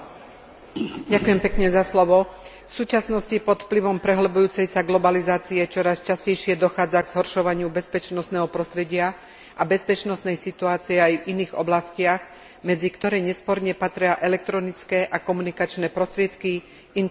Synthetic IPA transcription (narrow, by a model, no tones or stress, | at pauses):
ɟakujɛmpɛkɲɛzaslɔʋɔ | fsuːt͡ʃasnɔscipɔt̪fpliʋɔmpɾɛɦlbujuːt͡sɛjsaɡlɔbalizaːt͡siɛt͡ʃɔɾast͡ʃascɛjʃɪɛd̪ɔxaːd͡zaɡz̥ɦɔɾʃɔʋaɲɪubɛspɛt͡ʃnɔst̪nɛːɦɔpɾɔst̪ɾɛɟɪa | ʔabɛspɛt͡ʃnɔsnɛjsit̪uaːt͡siɛajviniːɣɔ̰blascɪaɣ | mɛd͡zikt̪ɔɾɛːɲɛspɔɾɲɛpat̪ɾɪaʔɛlɛk̚t̪ɾɔnit͡skɛʔakɔmunikat͡ʃnɛːpɾɔst̪ɾɪɛt̪ki | in